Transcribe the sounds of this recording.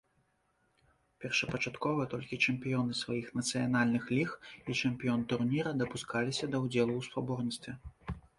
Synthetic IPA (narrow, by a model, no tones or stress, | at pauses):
pʲɛrʂɐpɐt͡ʂat̪kɔvɐt̪ɔlʲkʲit͡ʂɛmpʲijɔnɨsvajixnɐt̪sɨjanalʲnɨxlʲixit͡ʂɛmpʲijɔnt̪urnʲiɾɐd̪ɐpuskalʲisʲɐd̪ɐwd͡zʲɛlˠuwspabɔrnʲit̪st̪vʲɛ